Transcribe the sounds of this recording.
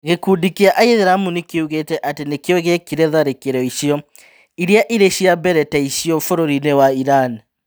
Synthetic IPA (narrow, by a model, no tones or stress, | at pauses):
ɣekuːdikiaʔaiðeɾamunekeuɣetɛʔatenekeɔɣekiɾɛðaɾekeɾɔiʃiɔ | iɾiaʔiɾeɕiabɛɾɛtɛiʃiɔfoɾoɾinewaiɾani